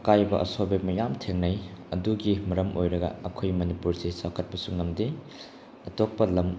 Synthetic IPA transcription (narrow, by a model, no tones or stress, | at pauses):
kajbɐ̰ʔɐ̰sobek̚mɐjamtʰeŋnɐjɐduɡimɐɾɐmʔojɾɐɡɐ̰ːkʰojmɐnipuɾsesakʰɐt̚pɐsuŋnɐmdi | ɐtok̚pɐlɐm